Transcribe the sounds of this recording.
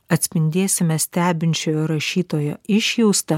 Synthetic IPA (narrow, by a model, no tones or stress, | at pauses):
ɐt̪ʲsʲpʲɪnʲd̪ʲeːsʲɪmʲɛsʲt̪ʲæːbʲɪnʲt͡ʃʲoːjoɾɐʃʲiːt̪oːjo̰ɪʃʲjɛʊst̪ɐ